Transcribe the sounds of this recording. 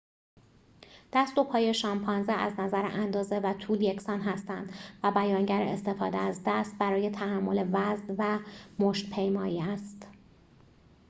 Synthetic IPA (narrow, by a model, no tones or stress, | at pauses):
d̪̥æsd̪o̞pʰɒːje̞ʃɒːmpʰɒːnzeʔæznæzæɾḛʔænd̪ɒːze̞væt̪ʰuːljecʰsɒːnɦæst̪ænd̪̥væbæjɒːŋɟæɾḛest̪e̞fɒ̰ːd̪eæzd̪æst̪̚bæɾɒːje̞t̪ʰæhæmːo̞le̞væznvæmoʃt̪pʰe̞jmɒːjiːæst̪